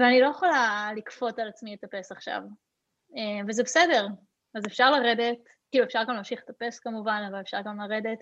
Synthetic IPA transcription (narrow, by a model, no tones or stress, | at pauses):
veanilo̞jeχolalikfo̞talat͡smiletape̞saχʃa̰v | evezebesede̞ʁ | azefʃaʁlaʁe̞de̞t | kiːluefʃaʁɡamlamʃiχlet̪ape̞skamuvanavalefʃa̰ʁɡamlaʁede̞t